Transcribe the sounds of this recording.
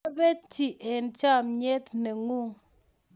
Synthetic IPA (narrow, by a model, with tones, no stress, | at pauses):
a˦be˦t͡ʃi˨ʔe˨n˨t͡ʃa˦˨mɲe˦tne˨ŋu˦˨